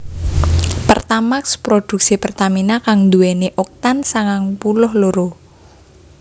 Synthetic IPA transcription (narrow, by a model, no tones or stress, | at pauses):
pərt̪amakspɾod̪̥ṳk̚sipərt̪aminakaŋd̪uɛneʔɔk̚t̪ansaŋaŋpulʊhloɾo